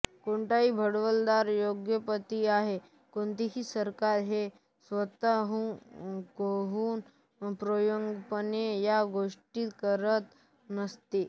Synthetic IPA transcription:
koɳʈaɦiːbʱəɽʋəld̪aɾjoɡjəpət̪iaɦe | koɳt̪iɦiːsəɾkaɾɦe | sʋət̪aɦukoɦuːn | pɾojoŋɡpənejaɡoʂʈiːt̪kəɾət̪ | nəst̪e

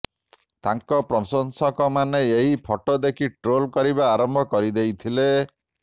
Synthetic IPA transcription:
t̪aŋkɔpɾɔsɔnsɔkɔmaneeɦipʰɔʈod̪ekʰiʈɾolkɔɾiβaːɾɔmbʱɔkɔɾid̪ejt̪ʰile

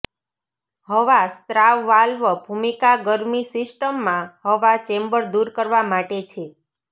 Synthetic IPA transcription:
ɦəʋast̪ɾaʋːalʋəbʱumikaɡəɾmisɪsʈəmːãɦəʋat͡ʃẽmbəɭd̪uɾkəɾʋamaʈet͡ʃʰe

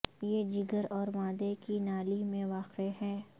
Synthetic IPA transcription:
jeːd͡ʒɪɡəɾɔːɾmãːd̪ekinaːlimẽʋaːqeɦɛː

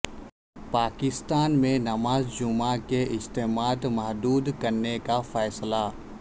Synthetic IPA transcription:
paːkɪst̪aːnmẽnɐmaːzd͡ʒʊmakeʔɪst̪eːmaːd̪mɐɦd̪uːd̪kɐɾnekafɛːsla

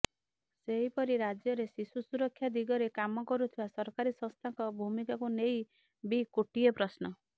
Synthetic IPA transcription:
seɦipɔɾiɾad͡ʒjɔɾesisusuɾɔkʰːjad̪iɡɔɾekamɔkɔɾut̪ʰibasɔɾkaɾisɔ̃st̪ʰaŋkɔbʱumikakuneɦj | bikuʈiepɾɔsnɔ

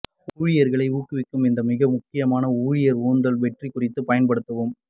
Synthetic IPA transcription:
uːɻɪjɐɾɣɐɭɐɪuːkːɯʋɪkːɯmɪnd̪ɐmɪɣɐmʊkːɪjɐmaːnɐuːɻɪjɐɾuːnd̪ɐlʋɛʈrikːʊrɪt̪ːɯpɐjɐnpɐɽɯt̪ːɐʋɯm

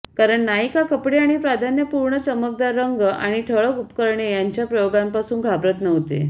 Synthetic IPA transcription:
kaɾəɳːaɦikakəpɽeaɽ̃ipɾad̪ʱanjəpuɾɳət͡ɕəmək̚d̪aɾːəŋɡʔaɽ̃iʈʰəɭəkupkəɾɳejaɲt͡ɕjapɾəjoɡampasuːnɡʱabɾət̪nəʋt̪ḛ

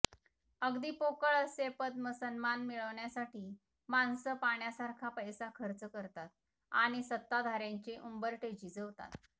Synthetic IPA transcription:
əɡd̪iːpokəɭəsepəd̪̚məsənmanmiɭəʋɳjasaʈiː | mansəpaɳjasaɾkʰapəjsakʰəɾt͡səkəɾt̪at̪̚ | a̰ɽ̃isət̪ːad̪ʱaɾaɲt͡ɕeʔumbəɾʈed͡ʑiːd͡zəʋt̪a̰t̪

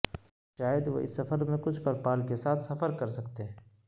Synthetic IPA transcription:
ʃaːjəd̪ʋo̰ɪ̰sːɐfəɾmẽkʊt͡ʃʰpɐɾpaːlkesaːt̪ʰsɐfəɾkɐɾsɐkt̪eɦɛ̃

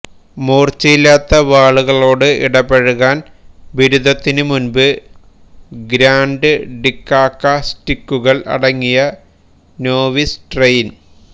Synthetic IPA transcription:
moːrt͡ɕːɐjilːaːt̪ːɐʋaːɭuɣɐɭo̞ːɽɨḭɽɐbeɻuɣaːn | ʋiɾuðɐt̪ːinɨmunbɨ | ɡɾaːɳɖɨɖikːaːkːɐsʈikːuɣɐɭʔɐ̰ɽɐŋːijɐ | no̞ːʋisʈrejn

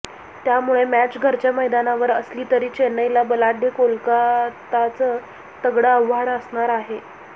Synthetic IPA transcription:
t̪jamuɭemæt͡ɕɡʱəɾt͡ɕjaməjd̪anaʋəɾəsliːt̪əɾiːt͡ɕenəjlabəlaɖʱekolkat̪at͡sə | səɡɽəəʋaɽəsɳaɾaɦe

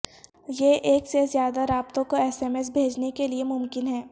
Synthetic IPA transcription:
jeʔeːksezjaːd̪aɾaːbt̪õkoɛːsɛːmes̬bʱeːd͡ʒnekeliemʊmkɪnɦɛː

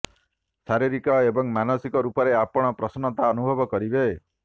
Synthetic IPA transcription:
saɾiɾikɔebɔŋmanɔsikɔɾupɔɾeapɔɽ̃ɔpɾɔsɔnɔt̪aɔnubʱɔbɔkɔɾibe

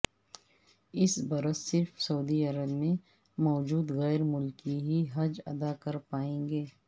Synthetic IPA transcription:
ɪsbɐɾəsːɪɾfsɐuːd̪iɐɾəbmẽ | mɔːd͡ʒuːd̪ɣɛːɾmʊlkiɦiɦɐd͡ʒɐ̰d̪akɐɾpaːẽːŋɡeː

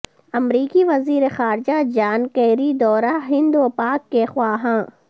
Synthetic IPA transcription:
ɐmɾiːkiʋɐziːɾexaːɾd͡ʒad͡ʒaːnkeːɾid̪ɔːɾaɦɪ̃nd̪upaːkːexwaːɦãː

